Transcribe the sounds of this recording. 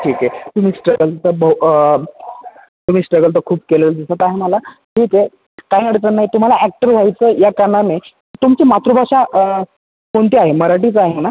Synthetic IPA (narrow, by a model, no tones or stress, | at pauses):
ʈʰiːket̪um̤iːsʈɾəɡəlt̪əbəɦu | t̪um̤iːsʈɾəɡəlt̪əkʰuːp̚keləld͡zəsət̪aɦeməlaʈʰiːke | kajnəɽet͡sənːaɦit̪um̤alaæk̚ʈəɾʋ̤ʱajt͡səjakaname | it̪umt͡ɕiːmat̪ɾubʱaʂaʔ | koɳt̪iaɦeməɾaʈit͡səaɦena